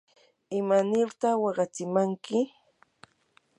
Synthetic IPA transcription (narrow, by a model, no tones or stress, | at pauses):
ɪmanɪɾt̪ɑχwɑɢɑt͡sɪmaŋkɪ